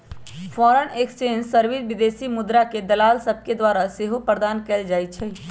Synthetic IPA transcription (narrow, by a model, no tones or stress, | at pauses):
pʰɔːɾənekst͡ʃensəɾʋid͡ʒʋid̪esimʊd̪ɾaked̪əlaːlsəb̚ʱked̪waɾaseɦopɾəɾd̪aːnkɛːld͡ʒaːit̪̚t͡ʃʰɛ